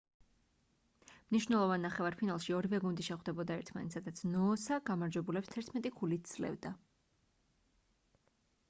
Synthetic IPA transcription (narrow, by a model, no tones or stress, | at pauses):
mniʃwnɛlˠɔvanːaχɛvaɾpʰinalˠʃiɔɾivɛɡund̪iʃɛχwd̪ɛbɔd̪aɛɾt̪ʰmanɛt̪sad̪at̪sʰnɔːsaɡ̥amaɾd͡ʒwɛbulɛpst̪ʰɛɾt̪ʰmɛt̪ʼikʰulit̪̚d̪z̥lɛ̰vd̪a